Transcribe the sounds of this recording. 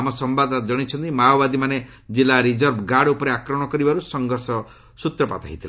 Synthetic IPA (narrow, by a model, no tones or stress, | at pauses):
amɔsɔmbad̪d͡ʒɔɽ̃it͡ʃʰɔnt̪imawbad̪imane | d͡ʒilaɾid͡ʒɔɾbɡaɽupɔɾeakɾɔɽ̃ɔkɔɾibaɾusɔŋɡɔɾsɔ | sut̪ɾɔpat̪aɦit̪ʰila